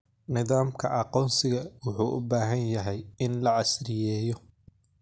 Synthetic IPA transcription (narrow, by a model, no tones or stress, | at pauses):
nɪðaːmkʰɐʔɑqɔːnsɪɣɐwʊħuːʔʊ̰baːɦɐnjɐɦɛjɪnlɐʕɑsrɪjɛːjɔ